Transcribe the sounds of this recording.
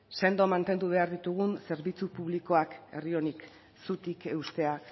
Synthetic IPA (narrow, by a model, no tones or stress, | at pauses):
se̞nd̪o̞mant̪e̞nd̪uβ̞e̞aɾðit̪uɣ̞unse̞ɾβit͡supuβliko̞ake̞̰rio̞nik | sut̪ikeust̪e̞ak